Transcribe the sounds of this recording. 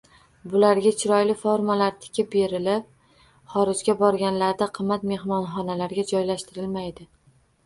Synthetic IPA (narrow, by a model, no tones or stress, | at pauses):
bʊlaɾɡʲat͡ʃʰɪɾɒjlɪfoɾmalaɾt̪ʰɪ̥kʲɪp̚be̞ɾɪlɪp̚ | χɒɾɪd͡ʒɡʲabɒɾɡʲanlaɾd̪aqʰɨmːat̪me̞hmɒnχɒnalaɾɡʲad͡ʒɒjlaʃt̪ɪɾɪlmajd̪ɪ